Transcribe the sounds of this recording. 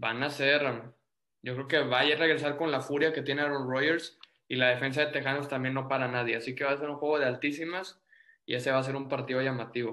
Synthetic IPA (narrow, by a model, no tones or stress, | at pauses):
banase̞ɾ | ɟ͡ʝo̞kɾe̞oke̞βaare̞ɣɾe̞saɾko̞nlafuɾjake̞t̪je̞neaɾonro̞jeɾs | ilaðe̞fe̞ns̬aðe̞t̪e̞xanost̪ambje̞nːo̞paɾanað̞je̞asike̞βas̬e̞ɾuŋxwe̞ɣo̞ð̞e̞alt̪isimas | ie̞se̞βaːs̬e̞ɾumpaɾt̪ið̞o̞ʝamat̪iβo̞